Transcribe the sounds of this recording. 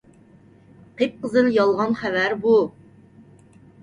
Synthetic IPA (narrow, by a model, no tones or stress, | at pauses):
qʰep̚qəzɨljɑlˠʁɑnχævæɾbu